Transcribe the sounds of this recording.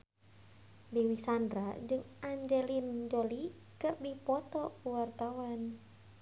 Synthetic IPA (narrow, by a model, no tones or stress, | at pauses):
bewisandɾad͡ʒɨŋaɲd͡ʒɛlind͡ʒɔli | kɨrbipɔt̪ɔuwart̪awan